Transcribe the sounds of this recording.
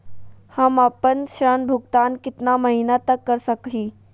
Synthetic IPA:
hamapənɕɾənbʱuɡt̪ankit̪naməɦinat̪əkːəɾsəkɦiː

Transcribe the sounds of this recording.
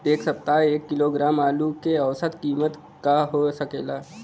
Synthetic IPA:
eːksəp̚t̪aeːkːiloɡɾaːmaːlukeəʋsət̪kiːmət̪ | kaɦosəkeːlaː

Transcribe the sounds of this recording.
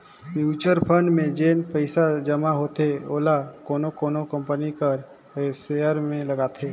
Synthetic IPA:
juːt͡ʃəɾpʰəɳɖmẽd͡ʒeːnpəɪsad͡ʒəmaɦoːt̪eoːlakoːnokoːnokə̃mpənikəɾ | seːəɾmẽlɐɡaːt̪ʰeː

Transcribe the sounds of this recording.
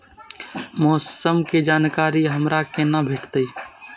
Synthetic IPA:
mɔːssəmked͡ʒaːnkaːɾiɦəmɾakenabʱeːʈʰt̪əi

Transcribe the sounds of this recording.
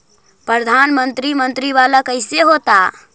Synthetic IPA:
pɾəd̪ʱanmənt̪ɾimənt̪ɾiβaləkəɪseɦot̪a

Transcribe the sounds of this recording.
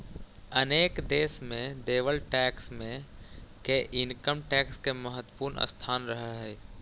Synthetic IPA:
əneːkd̪eːsmẽd̪eːʋəlʈɛːksmẽkeʔɪnkəmʈɛːkskeməɦət̪ːpuːɾnə̰st̪ʰaːnɾəɦəɦɛː

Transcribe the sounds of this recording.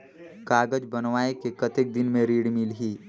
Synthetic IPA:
kaːɡəd͡ʒbənʋaːekekɐt̪ek̚d̪ɪnmẽɾiːɽmilɦiː

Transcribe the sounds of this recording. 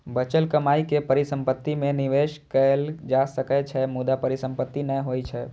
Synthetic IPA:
bət͡ʃəlkəmaikepəɾisə̃mpət̪ːimẽnɪʋeʃkəld͡ʒasəkɛt͡ʃʰɛmud̪apəɾɪsə̃mpət̪ːinəɦojt͡ʃʰɛ

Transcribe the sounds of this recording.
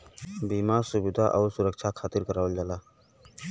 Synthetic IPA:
bimaɾsuʋid̪ʱaʔa̰wsuɾəkt͡ʃʰakʰat̪iɾkəɾaʋəld͡zala

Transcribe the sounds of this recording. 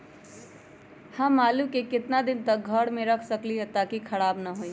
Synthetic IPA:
hãːmaːlukekɪt̪nad̪ɪnt̪ɐk̚ɡʱəɽmẽɾɐkʰsɐkliɦɛt̪akikʰɐɽaːbnɐɦoːi

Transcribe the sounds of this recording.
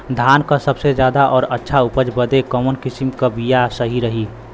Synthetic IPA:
d̪ʱaːnkasəbsed͡ʒjaːd̪aʔɔːɾətːʃʰaʊpəd͡ʒbəd̪ekɔmənkɪsimkabijasəɦiɾəɦi

